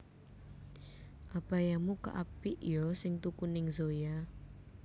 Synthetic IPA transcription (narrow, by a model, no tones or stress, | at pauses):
ʔabajamuka̰ʔapiʔjɔsɪŋt̪ukunɪŋzoja